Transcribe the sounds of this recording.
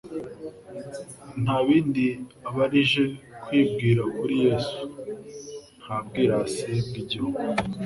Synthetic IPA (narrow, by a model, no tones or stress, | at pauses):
n̥haːβiːndiaβaɾiʒe̞kwiːb̚ɡiːɾakuɾije̞ːsu̥ | n̥haːbɡiːɾasebɡiɟihuɡo